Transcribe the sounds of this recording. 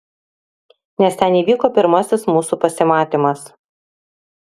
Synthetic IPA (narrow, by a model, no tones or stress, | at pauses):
nʲɛsʲt̪ʲɛniːʋʲiːkoːpʲɪɾmɐsʲɪsmuːsuːpɐsʲɪmɑːt̪ʲɪmɐs